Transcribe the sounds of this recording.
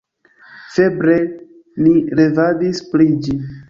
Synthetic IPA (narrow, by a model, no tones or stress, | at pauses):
febɾe | niɾevadisplid͡ʒi